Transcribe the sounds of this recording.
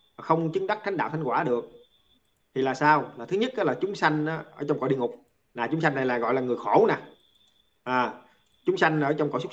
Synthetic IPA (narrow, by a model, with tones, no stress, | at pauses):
xə˧wŋ͡mt͡ɕɨ˨˦ŋɗa˦˥k̪̚ʰa˨˦ŋ̟ɗaː˧˨t̪ʰa˦ŋkwaː˧˩ɗɨ˨˩ək̚ | t̪ʰi˨˩laː˨˩saː˧wlaː˨˩t̪ʰɨ˨˦ɲə˦˥t̚ʔaː˨˦laː˨˩t͡ɕʊ˨˦ŋ͡msa˧jŋ̟ʔaː˨˦ʔəː˧˩˦t͡ɕɔ˧wŋ͡mkɔ̰˧˩ɗḭ˧əŋʊ˨˩k͡p̚ | naː˨˩t͡ɕʊ˨˦ŋ͡msa˧jŋ̟ːa˨˩jlaː˨˩jɣɔ̰˧˨jlaː˨˩ŋɨ˨˩əjxo˧˩˦naː˨˩ | ʔaː˨˩ | t͡ɕʊ˨˦ŋ͡msa˧jŋ̟ʔəː˧˦t͡ɕɔ˧wŋ͡mkɔ̰˧˨˦sʊ˦˥